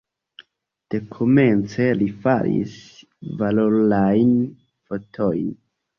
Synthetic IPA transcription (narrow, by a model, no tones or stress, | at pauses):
d̥e̞kʰome̞nt͡se̞lifaɾḭs | valolajn | fotʰo̞jn